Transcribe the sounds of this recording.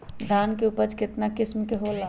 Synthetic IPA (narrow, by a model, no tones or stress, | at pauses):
d̪ʱaːnkeupəɾt͡ʃkɪt̪nakɪsmkeɦola